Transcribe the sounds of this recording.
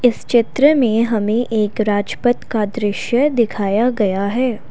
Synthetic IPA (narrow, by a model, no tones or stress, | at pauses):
ɪst͡ʃɪt̪ɾəmẽɦɐmẽʔeːkɾaːd͡ʒpət̪kad̪ɾɪʃjəd̪ɪkʰaːjaɡɐjaɦɛː